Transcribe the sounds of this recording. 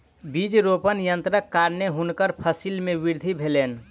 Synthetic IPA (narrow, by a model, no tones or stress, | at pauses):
bid͡ʒɾopənjənt̪ɾəkːaɾneɦunkəɾpʰəsilmẽʋiɾd̪ʱibʱeleːn